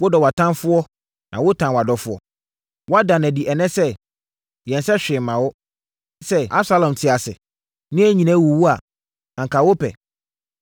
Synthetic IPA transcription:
wʊ˦dɔ˨wa˨tʰã˦nfʊ˦ɔ˦ | nʔã˨wʊ˦tʰã˨wa˨dɔ˨fʊ˦ɔ̰˨ | wɔ˦a˦dã˨nɛ̃˨di˨ʔɛ˨nɛ̃˦sɛ˦ | jɛ̃˨nsɛ˦ɕᶣɪ˨mːã˨wʊ˦ | sɛ˦ʔa̰˦bsa˦lɔ̃˨mtʰɪ˨a˨sɪ̰˨ | nɪ̃˦æ˦ɲĩ˨nã˦wu˨wu˦a˨ | ã˨ŋkʰa˨wo˦pʰɛ̰˨

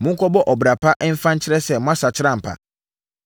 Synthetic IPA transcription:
mʊ̃˦kʰɔ˦bɔ˦ʔɔ˨bɾa˨pʰa˦ʔɛ˦m̩˦fã˦ɲ̩˦t͡ɕʰɪ˦ɾɛ˦sɛ˦˨mʊ̃˦a˦sa˨t͡ɕʰɪ˦ɾã˦m̩˨pʰa̰˨

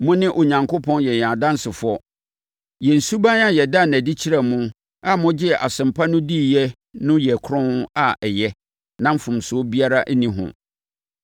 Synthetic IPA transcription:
mʊ̃˦nɪ̃˦ʔo˨ɲã˨ŋkʰʊ˦pʰɔ̃˦njɛ˨ɲ˨ã˨dã˦nsɪ˨fʊ˦ɔ˦ | jɛ̃˨n̩˨su˦bã˦na˦jɛ˨da˦˨næ̃˨di˦t͡ɕʰi˦ɾɛ˨mʊ̃˦ | a˦mʊ̃˦d͡ʑɪ˦ɛ˨ʔa˨sɪ̃˨mpʰa˦nʊ̃˦di˦˨jɛ˦ | nʊ̃˦jɛ˨kʰɾʊ̃˦n˦a˨ʔɛ˨jɛ˦ | nã˦m̩˦fʊ̃˨msʊ˨˦bi˦a˦ɾa˦ʔæ˦nĩ˦ɦʊ̰̃˨

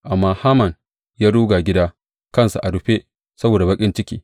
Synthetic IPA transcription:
ʔa˨mːaː˦haː˦mɐ˨n | jaː˦ɽuː˦ɡa˨ɡʲɪ˦daː˦ | kɐ˦nsu˨ʔa˨ɽʊ˨ɸe˦ | sɐ˦boː˨da˨bɐ˦kʲʼɪ˦nt͡ʃɪ˦kʲḭː˦

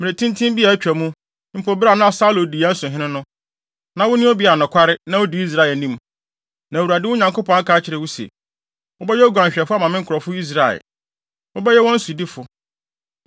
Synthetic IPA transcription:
mɪ̃˨e˨tʰĩ˦ntʰĩ˦m˦bi˦a˨æ˦t͡ɕᶣæ˨mũ˦ | m̩˦pʰo˨bɾa˦˨nʊ̃˦a˨sa˦lo˨di˨a˦n̩˦sʊ̃˨ɦɪ̃˦nʊ̃˦nʊ̃˦ | nã˨wʊ˦nʊ̃˦o˦bi˨˦a˨nʊ̃˨kʰʷa˦ɾɪ˦nã˦wʊ˦di˨˦i˦s̬ɾa˦˨ɛ˨nĩ˦m˨ | nã˨wu˨ɾa˨dɪ˦ʊ˦ɲã˨ŋkʰo˦pʰɔ̃˨ŋa˦kʰa˨˦t͡ɕʰɪ˨ɾɪ˨wʊ˦sḛ˨ | wʊ˦bɛ˦jɛ˦ɔ˦ɡʷã˨ɲɕᶣɛ˨fʊ˦a˦˨mã˨mɪ̃˦ŋ̩˦kʰʊ˨ɾɔ˨fʊ˦i˦s̬ɾa˦˨ɛ̰˨ | wʊ˦bɛ˦jɛ˦wɔ̃˦n̩˦sʊ˨di˦fʊ˨

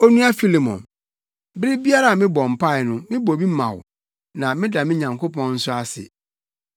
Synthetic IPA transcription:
o˦nũ˦a˦fi˦li˨mɔ̰̃˨n | bɾɪ˦bi˦a˦ɾa˦a˨mɪ̃˦bɔ˨m̩˨pʰa˦ɪ˨nʊ̃˦mɪ̃˦bɔ˨bi˦mã̰˨w | nã˨mɪ̃˦da˨mɪ̃˦ɲã˨ŋkʰo˦pʰɔ̃˦nn̩˦sʊ˦a˦sɪ̰˨

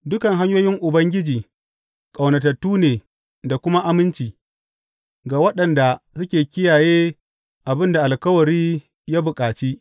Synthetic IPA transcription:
dʊ˦kɐ˨ŋɦa˦ɲjoː˦jɪ˦ŋʔʊ˨bɐ˦ŋɡʲɪ˦d͡ʒiː˨ | kʼa˨wnɐ˨tɐ˨tːuː˦neː˨ | da˨kʷʊ˦ma˦ʔa˦mɪ˦nt͡ʃiː˨ | ɡaː˨wɐ˦ɗɐ˨nda˨sʊ˦kʲeː˨kʲɪ˦jaː˨jeː˦ | ʔa˨bɪ˦nda˨ʔa˨lkɐ˦wɐ˨ɾiː˦ | jaː˦bʊ˨kʼaː˨t͡ʃi˦

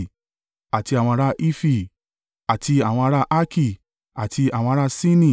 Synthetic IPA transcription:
a˨ti˧a˨wɔ̃˧a˧ɾa˦ʔi˦fi˦˨ | a˨ti˧a˨w̃ɔ̃˧a˦ɾa˦ʔa˦ki˦˨ | a˨tʰi˧a˨wɔ̃˧a˦˧ɾa˦sĩ˦nĩ˦˨

